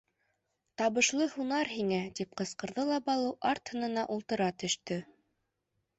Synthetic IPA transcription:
t̪ɑβɤ̆ʃlˠɤhunɑɾɦiŋæt̪ip̚qɤ̆sqɤ̆ɾðɤlˠɑbɑlˠɤwʔɑɾt̪hɤ̆nɤ̆nɑʔulˠt̪ɤ̆ɾɑt̪ɵ̆ʃt̪ɵ

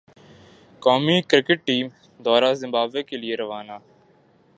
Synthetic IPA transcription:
kɔːmikɾɪkəʈ̚ʈiːm | d̪ɔːɾaːzɪ̃mbaːbekelieɾɐʋaːnaː

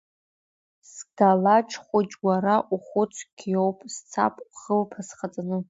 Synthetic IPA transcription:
sɡ̥alaʈ͡ʂʰχʷʊt͡ʃʼwʷaɾaʔuχʊt͡sʷʰɡ̥ʲjowpʼst͡sʰa̰pʼχəlpʰasχat͡sʼanɨ

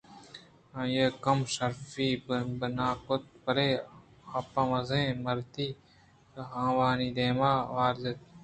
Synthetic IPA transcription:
ãjeːkɐmsɐɾfiːbɐnaːkʊt̪̚pɐɾeː | ɐːpãmɐzẽːmɐɾt̪iː | ɦãːʋaːniːd̪eːmaːʋaːɾzet̪̚

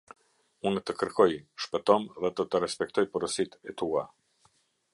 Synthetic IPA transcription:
unt̪əkəɾkɔjʃpɛt̪ɔmðɛd̪ɔt̪əɾɛspɛk̚t̪ɔjpuɾəsit̪ɛt̪ua

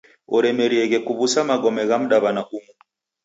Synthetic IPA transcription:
ɔɾɛmɛɾiɛɣɛkuβusamaɡɔmɛɣam̩ɗaβanaʔumu

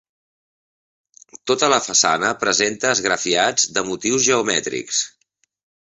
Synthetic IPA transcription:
t̪ot̪ələfəsa̰nəpɾəzent̪əːzɣɾəfiad͡zd̪əmut̪iwzʒəumɛt̪ɾḭks

